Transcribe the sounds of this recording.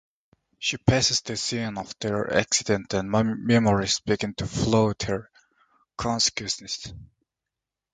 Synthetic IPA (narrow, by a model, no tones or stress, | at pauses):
ʃipʰæsɪzðəsĩnɔvðəɹæ̰ksɪdɛ̃ntæ̃nmmɛmɔɹisb̥ɪɡɪ̃ntʰufloʊthəɹ | kʰɔ̃nsɪ̥kwɨ̃snɨs